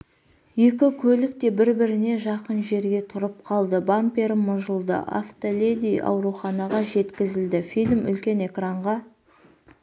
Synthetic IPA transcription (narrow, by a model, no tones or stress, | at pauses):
je̞kʲɪkʲʰɵlɪk̚t̪e̞bɪɾbɪɾɪne̞ʒɑqənʒe̞ɾɡʲe̞t̪ʰʊɾəp̚qʰɑlˠd̪əbampeɾmʊʒəlˠd̪ə̰ʔa̰ft̪olʲed̪ijʔɑ̰wɾuχɑnɑʁɑʒe̞t̪kʲɪzɪld̪ɪfijlʲmʏ̰lkʲe̞ne̞kraɴʁɑ